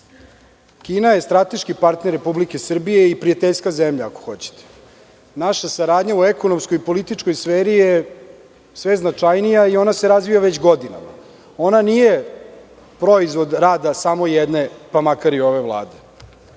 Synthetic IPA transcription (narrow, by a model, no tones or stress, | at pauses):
kiːnaje̞st̪ɾat̪eʃkipaɾt̪neɾːepublike̞sr̩bije̞ipɾiat̪eʎskazemʎaako̥xo̞t͡ɕe̥t̪ʰe̥ | naʃasaɾaːd̪ɲauekono̞mskojipo̞lit̪it͡ʂko̞jsfeːɾije | sʋeznat͡ʂajnijaio̞naseɾazʋijaʋet͡ɕɡo̞d̪ina̰ma̰ | o̞nanije | pɾo̞izʋo̞d̪ɾaːd̪asamo̞jed̪ne̞pamakaɾio̞ʋe̞ʋlˠa̰ːd̪e̞